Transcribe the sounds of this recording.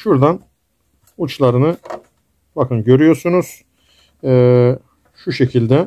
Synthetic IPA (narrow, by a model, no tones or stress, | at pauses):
ʃuɾd̪an | ut͡ʃlˠaɾɯnɯ | bakɯnɟø̞ɾyjo̞ɾsunuz̥ | ɛː | ʃuʃe̞cʰilʲd̪ɛ